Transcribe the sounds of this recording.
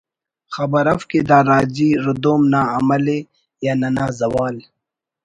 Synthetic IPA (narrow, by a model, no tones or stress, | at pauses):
xɐbɐɾɐfked̪aːɾaːd͡ʑiːɾud̪oːmnaːɐmɐle | jaːnɐnaːzɐwaːl